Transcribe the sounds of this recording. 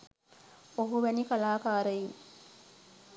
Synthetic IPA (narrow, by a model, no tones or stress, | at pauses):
oɦuʋɛnikalaːkaːɾəji